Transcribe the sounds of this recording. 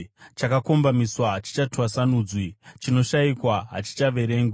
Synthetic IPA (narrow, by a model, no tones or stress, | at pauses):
t͡ʃakako̞mbamiswaɦat͡ʃi̥t͡ʃatwasanuːd͡zwit͡ʃino̞ʃaikwaɦa̰t͡ʃi̥t͡ʃaʋe̞ɾe̞ːŋɡe